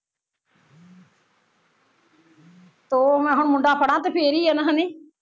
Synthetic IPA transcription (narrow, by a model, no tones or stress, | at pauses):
t̪oːmɛ̃ːɦʊɳmʊɳɖaːpʰəɽãːt̪epʰeːɾiːɛnəɦəniː